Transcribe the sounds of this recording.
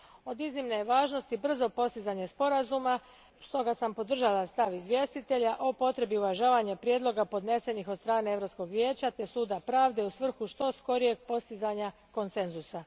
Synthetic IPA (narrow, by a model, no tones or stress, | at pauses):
o̞d̪iznimnejʋaːʒno̞st̪ibr̩zo̞po̞st̪izaɲespo̞ɾazuma | st̪o̞ɡasampo̞d̪r̩ʒalast̪aʋizʋje̞st̪it̪e̞ʎaʔopo̞t̪ɾe̞biuʋaʒaːʋaɲepɾjed̪lˠo̞ɡapo̞d̪ne̞se̞nixod̪st̪ɾaːneevɾo̞psko̞ɡʋje̞ːt͡ɕat̪e̞suːd̪apɾaːʋd̪e̞usʋr̩xuʃt̪o̞sko̞ɾije̞ɡ̚po̞st̪izaɲa | ko̞nse̞nzusa